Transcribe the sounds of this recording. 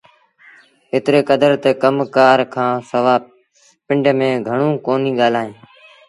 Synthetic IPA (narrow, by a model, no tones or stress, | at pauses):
ɪt̪ɾeːkəd̪əɾt̪ekəmkaːɾkʰãːsəʋaː | pɪɳɖmẽːɡʱəɳũːkoːnĩːɠaːl̤aːɦẽː